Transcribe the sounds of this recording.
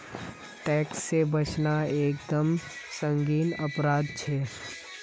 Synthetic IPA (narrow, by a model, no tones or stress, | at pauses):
ʈɛːksːebɐt͡ʃnaeːkd̪əm | sə̃ŋɡiːnɐpɾaːd̪t͡ʃʰɛː